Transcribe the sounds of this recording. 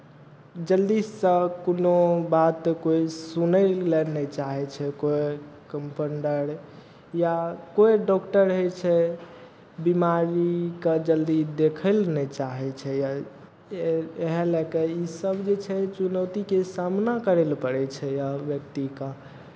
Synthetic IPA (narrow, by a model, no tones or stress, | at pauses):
d͡ʒəld̪issə̃konobat̪ːkoisunəllɛnɛt͡ʃaɦɛt͡ʃʰɛkoekəmpʰəɳɖəɾ | jakoeɖɔkʈəɾɦɛt͡ʃʰɛ | bimaɾikəd͡ʒəld̪id̪ekʰəlnɛt͡ʃaɦɛt͡ʃʰɛja | eɦlɛkeisəbd͡ʒet͡ʃʰɛt͡ʃunəwt̪ikesamnakəɾelpəɽɛt͡ʃʰɛjaʋjək̚t̪ikã